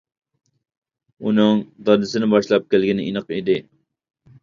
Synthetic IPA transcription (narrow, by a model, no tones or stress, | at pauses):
unɨŋd̪ɑd̪ɪsɪnɪbɑʃlˠɑp̚kʲælɡʲinɪʔinəqid̪ɪ